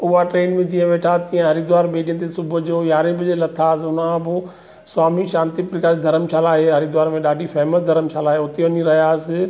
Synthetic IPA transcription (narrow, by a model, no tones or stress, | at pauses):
ʊɦaʈɾeːnmẽt̪ĩːə̃ʋeːʈʰaːt̪ĩːẽɦɐɾid̪ʊʋaːɾɓeːɖiə̃nt̪esʊbʱʊd͡ʑoːjaːɾẽbɪd͡ʑelɐt̪ʰaːs̬ʊnãbɪ | swaːmiʃãːnt̪ipɾɪkaːd̪ʱɐɾəmt͡ʃʰalaːɦeɦɐɾid̪ʊʋaːɾmẽɗaːɖʱifɛːməsd̪ʱɐɾəmt͡ʃʰaːlaːɦeʊt̪eʋɐniɾɐɦijaːsɪ